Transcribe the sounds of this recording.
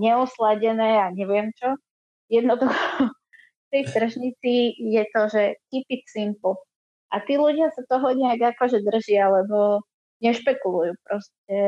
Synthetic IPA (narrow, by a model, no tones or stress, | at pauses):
ɲɛɔslaɟɛnɛːaɲɛʋɪɛmt͡ʃɔ | jɛd̪nɔd̪uxɔ | ft̪ɛjt̪r̩ʒɲit͡sijɛt̪ɔʒɛkipisimpl̩ˠ | ʔat̪iːluɟɪasat̪ɔɦɔɲɛaɡakɔʒɛd̪r̩ʒɪalɛbɔ | ɲɛʃpɛkulujuːpɾɔscɛ